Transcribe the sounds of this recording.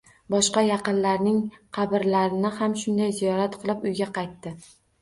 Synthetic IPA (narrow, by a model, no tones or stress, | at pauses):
bɒʃqɑjɑqɨnlaɾnɪŋqʰɑbɪɾlaɾɪnɪhamʃʊnd̪ajzijɒɾat̪qʰɨlˠɪpʊjɡʲaqʰɑjt̪ːɪ